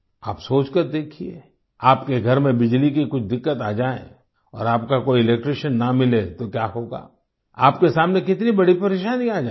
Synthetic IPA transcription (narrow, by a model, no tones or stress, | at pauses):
aːpsoːt͡ʃkɐɾd̪eːkʰiḛː | aːpkeɡʱɐɾmẽbɪd͡ʒlikikʊt͡ʃʰd̪ɪkːət̪aːd͡ʒaːḛ̃ | ɔ̰ːɾaːp̚kakoːiɪlek̚ʈɾeːʃənːamɪlet̪okjaːɦoːɡa̰ː | a̰ːpkesaːmnekɪt̪nibɐɽipɐɾeːʃaːniaːd͡ʒaː